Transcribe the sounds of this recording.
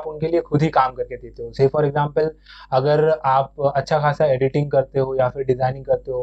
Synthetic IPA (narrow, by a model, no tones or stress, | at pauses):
pʊnkeliekʰʊd̪ʱikaːmkɐɾked̪eːt̪eɦosefɔːɾɛɡzãːmpəlɐɡəɾaːp̚ɐtːʃʰakʰaːsaeːɖɪʈɪ̃ŋɡ̚kɐɾt̪eɦojafɪɾɖɪzaːɪnɪ̃ŋɡkɐɾt̪eɦo